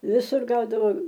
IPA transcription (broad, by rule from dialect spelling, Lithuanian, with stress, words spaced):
ʋʲɪˈsʊr ˈɡɐʊdɐʋoː